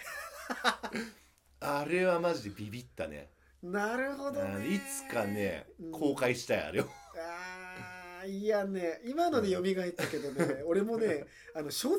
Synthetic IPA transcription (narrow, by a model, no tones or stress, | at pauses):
aɾe̞βamaʑid̪e̞bʲibʲit̪ːa̰nḛ | naɾɯ̟ɦo̞d̪oit͡sɨ̥kanḛɯ̃ːkʰoːkaiɕi̥t̪aia̰ɾejoa | iane̞imano̞ne̞jo̞mʲiɡait̪ːake̞d̪o̞neo̞ɾe̞mo̞ne̞ | ano̞ɕo̞ː